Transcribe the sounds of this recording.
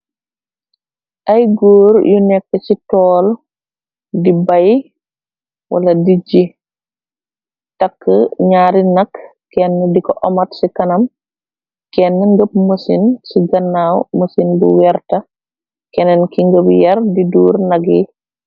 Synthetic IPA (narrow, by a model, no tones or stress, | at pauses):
ʔɐjɡoːɾjunɛkːət͡ʃitɔːl | dibaj | wʔɐ̰lɐdid͡ʒi | tɐkːəɲaːɾinɐk | kːɛnːɛdikɔʔɔmɐtsikɐnɐm | kɛnːəŋɡəp̚musinsiɡɐnːaːwmusinbṵwɛɾtɐ | kɛnɛnkiŋɡəpjɐɾdiduːɾnɐɡi